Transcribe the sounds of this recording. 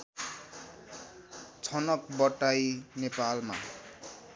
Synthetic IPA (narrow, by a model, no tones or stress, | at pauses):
t͡sʰʌnʌkbʌʈːajnepalma̰